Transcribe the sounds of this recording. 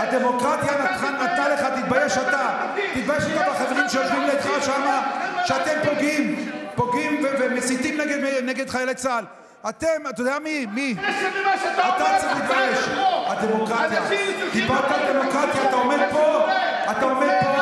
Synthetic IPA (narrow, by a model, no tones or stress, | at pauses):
ad̪emo̞kʁat̪janat̪χanat̪naleχat̪it̪bajeʃat̪a | t̪it̪̚bajeʃot̪abaχaveʁimʃejovlimleːt̪χaʃamaʃeat̪empo̞ɡimpo̞ɡimvevemesit̪imneɡed̪meneɡed̪χajalet͡sal | at̪emat̪od̪ejamimi | at̪at͡semt̪it̪bajeʃad̪emo̞kʁat̪jat̪ibalt̪ad̪e̞mo̞kʁat̪jaːt̪ao̞med̪̚po̞ | at̪aomed̪̚po